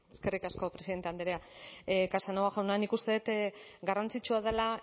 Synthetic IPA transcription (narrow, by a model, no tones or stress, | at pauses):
eske̞rikasko̞pɾe̞siðent̪e̞and̪eɾeakasanoaʝawnanikust̪e̞ðet̪ɡarant͡sit͡ʃuað̞ela